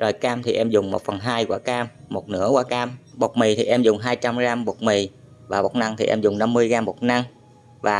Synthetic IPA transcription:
zo˨˩jkaː˧mt̪ʰi˨˩ʔɛ˧mzʊ˨˩ŋ͡mmo̰˨˩t̚fə˨˩nɦaː˧jkwaː˧˦kaː˧mːo˨˩t̚nɨ̰˧˥əkwaː˧˦kaː˧mɓo˨˩k͡p̚mi˨˩t̪ʰi˨˩ʔɛ˧mzʊ˨˩ŋ͡mɦaː˧jt͡ɕa˧mɣaː˧mɓo˨˩t̚mi˨˩ | vaː˨˩ɓo˨˩t̚na˧ŋt̪ʰi˨˩ʔɛ̰˧mzʊ˨˩ŋ͡mna˧mːɨ˧əjɣaː˧mo˨˩t̚na˧ŋ | vaː˨˩

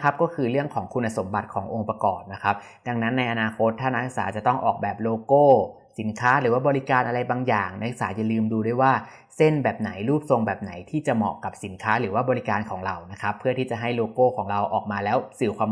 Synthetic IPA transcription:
kʰa˦˥p̚kɔː˥˩kʰɯː˧ɾɯ˥˩əŋkʰɔː˩˦ŋkʰu˧nʔa˧so˩˦mba˨˩t̪̚kʰɔː˩˦ŋʔo˧ŋpɾa˧kɔː˨˩p̚na˦˥kʰa˦˥p̚ | da˧ŋna˦˥nːa˧jʔa˧naː˧kʰo˦˥t̪ʰːaː˥˩na˦˥i˧k̚saː˩˦t͡ɕa˨˩t̪ɔ˥˩ŋʔɔ̰ː˨˩k̚bɛː˨˩p̚loː˧koː˥˩ | si˩˦nkʰaː˦˥ɾɯː˩˦waː˥˩bɔː˧ɾi˦˥kaː˧nʔa˧ɾa˧jbaː˧ŋjaː˨˩ŋna˧˥ɯ˧˩ksaː˩˦ja˨lɯː˧mduː˧du˥˩˨jwaː˥˩ | se˥˩nbɛː˨˩p̚na˩˦jɾuː˥˩p̚so˧ŋbɛː˨˩p̚na˩˦jt̪ʰiː˥˩t͡ɕa˨˩mɔ̰˨˩ka˨˩p̚si˩˦nkʰaː˦˥ɾɯː˩˦waː˥˩bɔː˧ɾi˦˥kaː˧nkʰɔː˩˦ŋɾa˧wna˦˥kʰa˦˥pʰːɯ˥˩ɐt̪ʰiː˥˩t͡ɕa˨˩ɦa˥˩jloː˧koː˥˩kʰɔː˩˦ŋɾa˧wʔɔ̰ː˨˩k̚maː˧lɛː˦˥wsɯː˨˩kʰwaː˧m

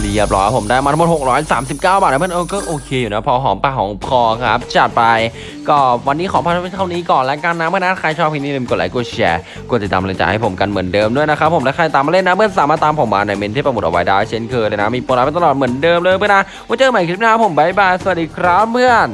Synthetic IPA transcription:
di˧˩əp̚lɔː˧˦a˧pʰo˨˩˦mdaː˩jma˧t̪ʰa˧mo˨n̚ho˨˩k̚ɾɔː˦˥jsaː˨˩˦msi˨˩p̚kaː˥˩wbaː˨˩lpʰɯ˥˨nʔo˧˩kɔː˥˩ʔoː˧kʰeː˧juː˨˩na˦˥pʰɔː˧ɦɔː˩˦ŋpa˧˩ɦɔː˨˩˦ŋpʰɔː˧kʰɾa̰˦˥p̚t͡ɕʰa˨˩t̪̚pa˧j | kɔː˥˩wa˧nːiː˦˥kʰɔː˨˦pʰːt̪ʰa˥˩wniː˦˥kɔː˨˩nlɛ˦˥kaː˧nːaː˦˥mɯ˥˨˩na˦˥˩kʰa˧jt͡ɕʰɔː˥˩p̚ʰːiː˧˥niː˦˥˩i˧ko˨˩tla̰˨˦ku˧˩t͡ɕʰɛ̰ː˧ | ku˧˩ətt͡ɕa˨˧˩t̪aː˧m˨lɯ˧˦t͡ɕa̰ː˧˩ha˥˩jpʰo˨˩˦mka˧nmɯ˩˦ndɤː˧mdu˥˩əjna˦˥kʰɾa˦˥pʰːo˩˦ndaː˥˩ka˧a˧t̪aː˧maː˧le˥nːa˦˥mɯ˥˩ənsaː˨˦maː˧˩t̪aː˧mpʰo˨˩˦maː˧na˧jme˧nt̪ʰiː˥˩pɾa˧m˨˩t̚ʔa˧wa̰˦jdaː˥˩jt͡ɕʰe˥˩nkʰɤː˧lːjna˦˥miː˧pu˧laː˧˦pt̪lɔː˨˩t̚mɯ˩˦əndɤː˧mlɤː˧jpʰɯ˥ə˨na˦˥ | u˧˥˦t͡ɕɤː˧ma˨˦kɾi˦˥p̚naː˧˥˩pʰo˨˦mba˦˩jbaː˧˩jsa˧wa˨˩diː˧kʰɾa˦˥pmɯ˥˩ən

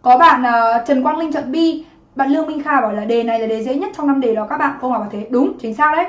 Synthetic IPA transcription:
kɔ˨˦ɓa̰ː˧˨nʔəː˨˩t͡ɕə˨˩nkwaː˧nlï˧ŋ̟t͡ɕə̰˧˨nɓi˧ | ɓa̰ː˧˨nlɨ˧əŋmï˧ŋ̟xaː˧˩ɓɔ˧˩jlaː˨˩ɗe˨˩na˨˩jlaː˨˩ɗe˨˩zə̰˧˥˦ɲə˦˥t̚t͡ɕɔ˧wna˧mɗe˨˩ɗɔ˨˦kaː˦˥k̚ɓa̰ː˧˨nxə˧wha˨˩kaː˨˩t̪ʰe˨˦ɗʊ˨˦ŋ͡mt͡ɕï˨˦ŋ̟saː˦˥wɗə˨˦j

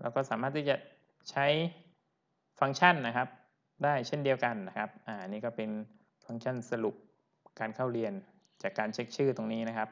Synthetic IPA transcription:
lɛ̰˦˥wkɔː˥˩saː˩˦maː˥˩t̪ʰːiː˥˩t͡ɕa˨˩ | t͡ɕʰa˦˥j | fa˧ŋt͡ɕʰa˥˩nːa˦˥kʰa˦˥p̚ | daː˥˩jt͡ɕʰe˥˩ndi˧əwka˧nːa˦˥kʰa˦˥p̚ʔaː˧˩ʔa˧nːiː˦˥kɔː˥˩pe˧n | fa˧ŋt͡ɕʰa˥˩nsa˧lu˨˩p̚ | kaː˧nkʰa˥˩wɾi˧ən | t͡ɕaː˨˩kːaː˧nt͡ɕʰe˦˥k̚t͡ɕʰɯː˥˩t̪o˧ŋniː˦˥na˦˥kʰa˦˥p̚

